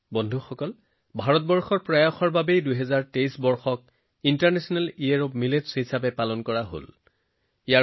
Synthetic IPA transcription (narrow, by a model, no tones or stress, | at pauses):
bɔndʱuxɔkɔl | bʱaɹɔt̚bɔɹxɔɹpɹajɔxɔɹbabejdujɦɛzaɹtejsbɔɹxɔk̚ | intaɹnɛsɔnaliaɹop̚miletshisabɛpalɔnkɔɹaɦo̰l | ija